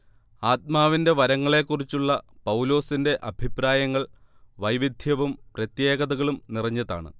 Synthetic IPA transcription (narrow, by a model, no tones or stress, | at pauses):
aːt̪̚maːʋinde̞ʋɐɾɐŋːɐɭe̞kːurit͡ɕːuɭːɐpɐwlo̞ːsinde̞ʔɐbʱipraːjɐŋːɐɭ | ʋɐjʋid̪ʱjɐʋumprɐt̪jeːɣɐðɐɣɐɭumnirɐɲːɐða̰ːɳɨ̰